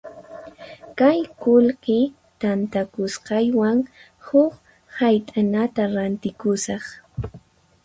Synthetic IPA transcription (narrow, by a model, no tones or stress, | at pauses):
kajkʊlɢɪ | t̪ant̪akʊsqɑjwaŋ | hʊk | hajt̪ʼanat̪aɾant̪ɪkʊsɑχ